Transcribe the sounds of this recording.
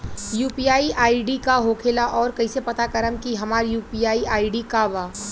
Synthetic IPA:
juːpijaːiʔaːiɖikaɦoːkʰeːlaʔɔːɾkɐɦisepɐt̪akəɾəmkiɦɐmaːɾjuːpijaːiʔaːiɖikaʋaː

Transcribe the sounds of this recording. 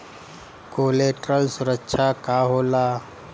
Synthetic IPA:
koleʈɾəlsuɾəkːɕʰakaɦola

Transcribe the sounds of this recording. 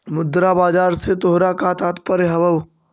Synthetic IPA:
mʊd̪ɾabaːd͡ʒaːɾset̪oɦɾakat̪aːt̪pɐɾeɦɐʋəʋ

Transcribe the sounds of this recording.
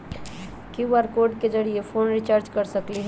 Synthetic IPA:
kiʋaɾkoːɾɖked͡ʒəɽiepʰoːnɾit͡ʃaɾd͡ʒkɐɾsəkliɦɛ

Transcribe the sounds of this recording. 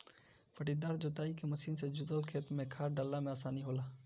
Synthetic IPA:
pʰəʈid̪aːɾd͡ʒoːt̪aːikemɐʃiːnsed͡ʒʊd̪əlkʰeːt̪mẽkʰaːɾɖəlːamẽaːsaːniɦoːlaː

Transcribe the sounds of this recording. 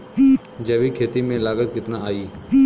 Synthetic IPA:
d͡ʒɐʋikʰeːt̪imẽlaːɡət̪kɪt̪naaːiː

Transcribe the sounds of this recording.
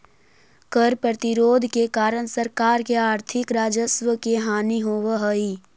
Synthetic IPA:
kəɾpɾət̪ɪɾoːd̪ʱkekaːɾəñsəɾkaːɾkeaːɾt̪ʰɪkɾaːd͡ʒəsʋəkeɦaːniɦoːʋəɦəi

